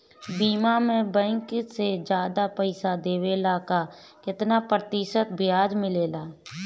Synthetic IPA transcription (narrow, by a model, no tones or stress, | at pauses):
biːmamẽbɛ̃ːŋksed͡ʒjaːd̪apɛɪsad̪eːweːlaka | kɪt̪napɾət̪ɪʃət̪̚bɪjaːd͡ʒmɪleːlaː